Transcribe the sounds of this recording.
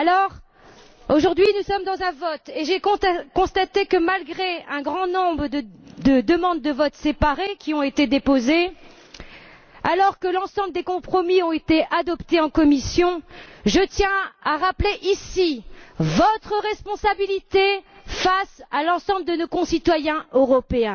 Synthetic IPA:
alɔʁ | oʒuʁd̪ɥinusɔmd̪ɑ̃zɛ̃vɔt̪eʒekɔ̃kɔ̃st̪at̪ekəmalɡʁeɛ̃ɡʁɑ̃nɔ̃bʁəd̪əd̪əd̪əmɑ̃d̪̚ːəvɔt̪sepaʁekʲiɔ̃et̪ed̪epoze | alɔʁkəlɑ̃sɑ̃bləd̪ekɔ̃pχɔmiɔ̃et̪eʔad̪ɔpt̪eɑ̃kɔmisjɔ̃ʒət̪jɛ̃aʁapleʔisivɔt̪χəʁɛspɔ̃sabilit̪e | fasalɑ̃sɑ̃bləd̪ənokɔ̃sit̪wajɛ̃øʁɔpeɛ̃

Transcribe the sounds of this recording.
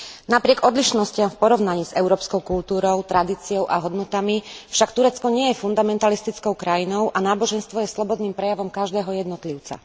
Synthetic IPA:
napɾɪɛɡɔd̪liʃnɔscɪamfpɔɾɔʊnaɲiːzɛʊɾɔːpskɔʊkult̪uːɾɔʊt̪ɾad̪iːt͡siɔʊʔaɦɔd̪nɔt̪amifʃakt̪uɾɛt͡skɔɲɪɛjɛfund̪amɛnt̪alist̪it͡skɔʊkɾajinɔʊʔanaːbɔʒɛnst̪ʋɔjɛslɔbɔd̪niːmpɾɛjaʋɔmkaʒd̪ɛːɦɔjɛd̪nɔt̪liʊt͡sa̰

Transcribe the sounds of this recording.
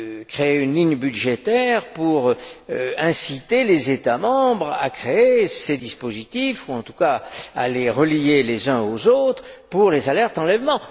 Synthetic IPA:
kχeeynliɲbyd̪ʒet̪ɛʁpuʁ | ɛ̃sit̪elezet̪amɑ̃bʁa̰kχeesed̪ispozit̪ifuɑ̃t̪u̥kaa̰leʁəlijelezœ̃ozot̪χpuʁlezalɛʁt̪ɑ̃lɛvmɑ̃

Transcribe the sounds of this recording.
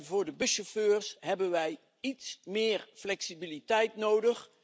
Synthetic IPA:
vʊːɹdəbɵʃoføːɹsɦɛbənʋɛj | itsmɪːɹflɛksibilitɛjtnowdəχ

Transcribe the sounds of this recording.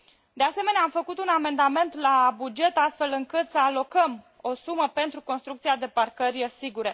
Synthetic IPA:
d̪e̞ase̞me̞neamfəkut̪uname̞nd̪ame̞nt̪labud͡ʒe̞t̪ast̪fe̞lɨŋkɨt̪səalo̞kəm | o̞suməpe̞nt̪ɾuko̞nst̪ɾuk̚t̪siad̪e̞parkəɾijesiɡuɾe̞

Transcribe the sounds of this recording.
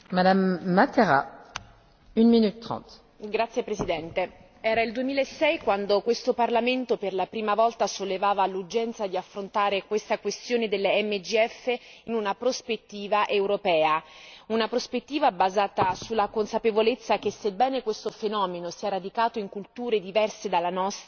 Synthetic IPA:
mad̪amːat̪eʁa̰ | ynminyt̪ːχɑ̰̃t̪ | ɡɾat̪sːjepɾesid̪ɛnt̪e | ɛːɾaild̪uemiːlaesːɛjkwand̪okwest̪oparlament̪operlapɾiːmavɔlt̪asolːevaːvalud͡ʒɛnt̪sad̪iafːɾont̪aːɾekwest̪akwest̪joːned̪elːeɛmːed͡ʒiɛfːeinunapɾospet̪ːiːvaʔewɾopɛːaunapɾospet̪ːiːvabazaːt̪asulːakonsapevolet̪sːakesːebːɛːnekwest̪ofenɔːmenosiːaɾad̪ikaːt̪oiŋkult̪uːɾed̪ivɛrsed̪alːanɔst̪

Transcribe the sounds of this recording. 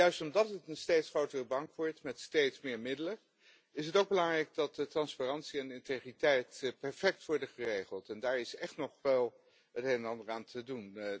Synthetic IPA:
jœɥstɔmdɑtətənstejtsχrowtərəbɑŋkʋɔɹtmɛtstejtsmɪːɹmɪdələ | ɪsɦətowɡ̚bəlɑŋrɛjɡ̚dɑt̚dətrɑnsparɑnsiɛndɪnteχritɛjtpɛɹfɛk̚tʋɔɹdəχərejχəlˠtɛndaːɹɪsɛχtnɔχʋɛlˠ | ətɦenənɑndəɹaːntʰədun

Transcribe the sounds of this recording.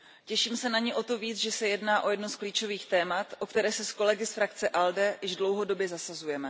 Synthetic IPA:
cɛʃiːmsɛnaɲɪʔo̞t̪o̞viːt͡sʒɛsɛjɛdnaːʔo̞jɛdnoskliːt͡ʃo̞viːxt̪ɛːmat̪ʔokt̪ɛɾɛːsɛsko̞lɛɡɪsfɾakt͡sɛʔaldɛjɪʒdlo̞wɦo̞do̞bjɛzasazujɛmɛ

